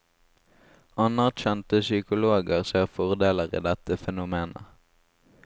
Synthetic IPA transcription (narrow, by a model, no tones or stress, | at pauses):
ʔɑnɑʁçɛnt̪əsʏkʊloːɡəʁseːʁfɔʁd̪eːləʁḭːd̪ɛt̪əfɛnʊmeːnə̰